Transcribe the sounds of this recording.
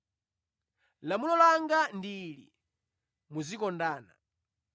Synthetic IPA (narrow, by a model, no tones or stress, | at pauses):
lamulɔlaŋɡandilḭ | muzikɔndaːna̰